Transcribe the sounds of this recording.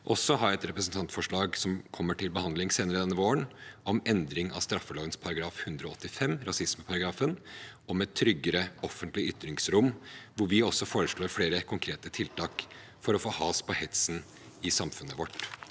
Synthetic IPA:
ʔɔsːɔɦɑːɛt̪ɾɛpɾəsn̩t̪ʰɑnt̪fɔʂɭɑːɡsɔmkʰɔmːəʈʰɪlbəhɑnd̪lɪŋseːnəɾəd̪ɛnːəʋoːəɳʔɔmʔɛnd̪ɾɪŋʔɑ̰st̪ɾɑfːəlɑːɡənspʰɑɾɑɡɾɑːfhʉnd̪ɾɔɔt̪ːɪfɛmːɾɑsɪsməpʰɑɾɑɡɾɑːfənɔmɛt̪ʰːɾʏɡːəɾəɔfənt̪lɪʏt̪ːɾɪŋsɾʊmːʋʊɾʋɪɔsːɔfoːɾəʂɭoːɾfɽeːɾəkʰʊŋkʰɾeːt̪ət̪ʰɪlt̪ʰɑːk | fɔɾɔfoːhɑːspʰɔhɛt̪sn | ɪsɑmfʉnːəʋɔʈː

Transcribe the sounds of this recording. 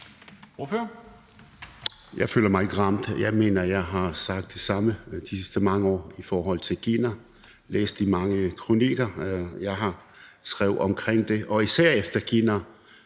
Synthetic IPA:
oføɐ | jɑ̈ɪfø̰ːlɐmɑ̈ɪe̝ɡ̥ʁɑ̈m̰d̥jɑɪme̝̰ːnɐjɑ̈ɪɦɑ̈sɑ̈ɡ̥̚d̥ːe̝sɑ̈məd̥isisd̥əmɑ̈ŋəɒ̰ːifɒːɦɒ̽l̰t͡sʰe̝lkʰinæ | lḛːsd̥imɑ̈ŋəkʰʁuniɡ̥ɐjɑɪɦɑ̈ | sɡ̥ʁɛʊð̩ˠɒ̽mkʰʁeŋ̰d̥e̝ʔɒ̽isæɐ̰efd̥ɐkʰinæ

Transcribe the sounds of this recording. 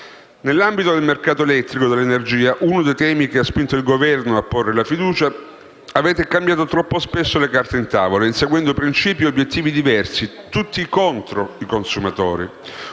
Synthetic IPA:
nelːambit̪od̪elmerkaːt̪oelɛt̪ːɾikod̪elenerd͡ʒiːaʔunod̪ejt̪ɛːmik̟easpint̪oilɡovɛrnoapːorːelafid̪uːt͡ʃa | aveːt̪ekambjaːt̪ot̪ɾɔpːospesːolekart̪eint̪a̰ːvolainseɡwɛnd̪opɾint͡ʃiːpjiobːjet̪ːiːvid̪ivɛrsi | t̪ut̪ːikont̪ɾoikonsumat̪o̰ːɾḭ

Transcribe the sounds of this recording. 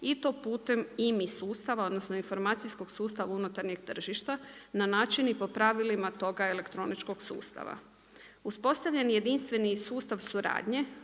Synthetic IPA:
it̪o̞puːt̪e̞mimisuːst̪aʋao̞d̪nosno̞info̞ɾmaːt̪sisko̞ɡsuːst̪aʋaunut̪aɾɲeɡ̚t̪r̩ʒiʃt̪ananaːt͡ʃinipo̞pɾaʋilimat̪o̞ɡaele̞kt̪ɾo̞nit͡ʃko̞ɡsṵːst̪a̰ʋa̰ | uspo̞st̪aʋʎenje̞d̪inst̪ʋe̞nisuːst̪aʋsuɾa̰ːd̪ɲe̞

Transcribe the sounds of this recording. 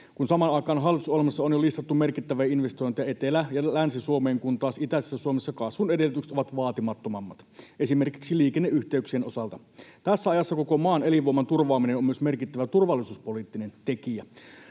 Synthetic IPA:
kunsɑmɑnɑikɑːnɦɑlːˑit̪usohelmɑsːɑonjolist̪ɑt̪ːume̞rkit̪ːæʋæinʋest̪ojnt̪ijɑe̞t̪elæjɑlænsisuomeːŋkunt̪ɑːˑsit̪æsesːæsuomesːɑkɑsʋunedelːˑyt̪ykset̪oʋɑt̪ʋɑːt̪imɑt̪ːo̞mɑmːɑt̪ʔesime̞rkiksiliːkenːeʔyçt̪eyksienosɑlt̪ɑ | t̪æsːæɑjɑsːɑkoko̞mɑːneliʋuomːɑnt̪urʋɑːminenomyøsme̞rkit̪ːæʋæt̪urʋɑlːˑisuːspo̞liːt̪ːinent̪e̞kiæ

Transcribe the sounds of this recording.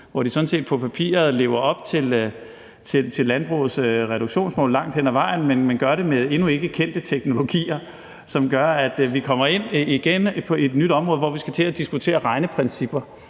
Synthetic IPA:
ʋɒd̥isɒ̽n̩se̝̰ːd̥̚pʰɒ̽pʰæpʰḭːɐð̩ˠle̝ʊɐɒ̽b̥̚t͡sʰe̝l | t͡sʰe̝lt͡sʰe̝lːænb̥ʁṵːð̩ˠsʁɛɾuɡ̥ɕo̝̰ːnsmɔ̰̽ːlɑ̈ŋ̰d̥henæʋɑ̈ɪ̰n̩menmenɡ̥ɶɐɾe̝meðˠe̝nue̝ɡ̥əkʰen̰d̥ət͡sʰeɡ̥no̝lo̝ɡ̥ḭːɐ | sɒ̽mɡ̥ɶɐæd̥ʋikʰɒ̽m̰ɐe̝n̰iɡ̥enpʰɒ̽e̝d̥nyd̥ɒ̽mʁɔ̽ːð̩ˠʋɒ̰ʋisɡ̥æt͡sʰe̝æd̥isɡ̥ut͡sʰe̝̰ːɐʁɑ̈ɪnəpʰʁɛnsib̥ɐ

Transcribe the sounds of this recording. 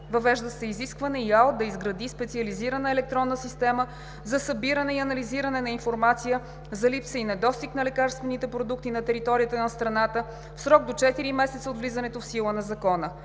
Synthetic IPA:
vɐvɛʒd̪əsɛiziskvɐnɛialˠt̪̚d̪ɐizɡɾɐd̪ispɛt̪siɐliziɾənəɛlɛk̚t̪ɾɔnːəsist̪ɛmə | zɐsɐbiɾənɛiɐnɐliziɾənɛnɐinfoɾmat̪sijə | zɐlipsəinɛd̪ɔst̪iknɐlɛkaɾst̪vɛnit̪ɛpɾod̪ukt̪inɐt̪ɛɾit̪ɔɾijət̪ənɐst̪ɾɐnat̪ə | fsɾɔɡ̚d̪ot͡ʃɛt̪iɾimɛsɛt̪səot̪vlizɐnɛt̪ofsilˠənɐzɐkɔnə

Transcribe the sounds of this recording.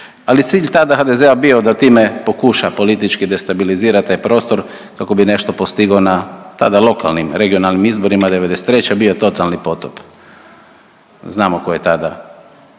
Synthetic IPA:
alit̪siːʎt̪ad̪axaːd̪e̞zeabiod̪at̪iːmepo̞kuʃapo̞lit̪it͡ʃkid̪e̞st̪abiliziːɾat̪t̪ajpɾo̞ːst̪o̞ɾ | kako̞bine̞ʃt̪o̞post̪iɡonat̪a̰d̪alˠo̞ka̰lnimɾe̞ɡio̞nalnimizbo̞ɾimad̪e̞ʋe̞d̪ese̥t̪ɾe̞t͡ɕabio̞t̪o̞t̪alˠnipo̞t̪op | znaːmokojet̪ad̪a̰

